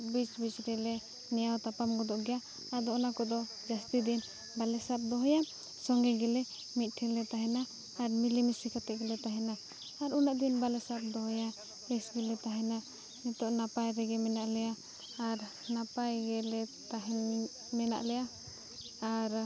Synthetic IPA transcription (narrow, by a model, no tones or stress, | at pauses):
bit͡ʃbit͡ʃɾɛlɛ | nɛjawt̪apamɡɔd̪ɔʔɡɛja | ad̪ɔɔnakɔd̪ɔ | d͡ʒast̪id̪in | balɛsap̚d̪ɔɦɔja | sɔŋɡɛɡɛlɛ | mit̪̚ˀʈʰɛlɛt̪aɦɛnaː | ɾmilimisikat̪ɛʔɡɛlɛt̪aɦɛnaː | ɾunaʔd̪inbalɛsap̚d̪ɔɦɔja | ɛsɡɛlɛt̪aɦɛna | nɛt̪ɔʔnapajɾɛɡɛmɛnaʔlɛjaː | ɾ | napajɡɛlɛt̪aɦɛn | mɛna̰ʔlɛja | aɾ